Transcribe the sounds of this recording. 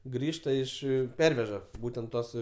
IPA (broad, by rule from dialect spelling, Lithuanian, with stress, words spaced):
ˈɡrʲiːʃtɐ ɪʃ ˈpʲɛrʲʋʲɛʒɐ ˈbuːtʲɛnt ˈtuɔs